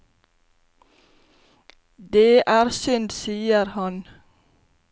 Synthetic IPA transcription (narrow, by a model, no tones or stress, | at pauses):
d̪eːʔæːɾsʏnd̪siːəɾhɑn